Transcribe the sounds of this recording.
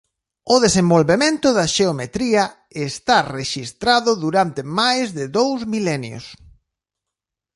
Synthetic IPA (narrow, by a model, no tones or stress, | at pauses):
ʊðesembolβemẽnt̪ʊðɐʃeomet̪ɾiɐ | est̪areʃist̪ɾaðʊðuɾant̪emajzðɪðowzmilɛnjo̰s